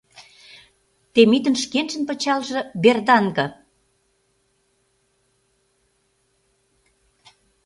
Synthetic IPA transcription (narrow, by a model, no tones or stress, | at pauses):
t̪emit̪ənʃkenʒə̆npə̆t͡ɕɑlʒɤ̆berd̪ɑŋɡɤ̆